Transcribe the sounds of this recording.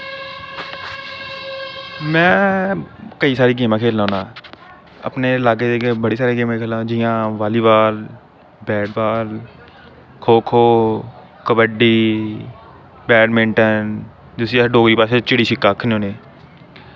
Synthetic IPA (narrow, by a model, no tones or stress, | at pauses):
mɛ̃ː | kəiːsaːɾiːɡ̬eːmãːkʰeːlːãːnaː | ə̰pneːlaːɡeːd̪eːkebəɽiːsaːɾeːkeːm̃ːkʰeːlãd͡ʒɪjãːʋaːliːʋaːl | bɛːɖʋaːl | kʰoːkʰoː | kəbəɖiː | bɛːɖmɪ̃ɳʈən | d͡ʒɪsiɖoːɡɾiːpaːset͡ʃɪɽiːʃɪkːaːkʰnõːneː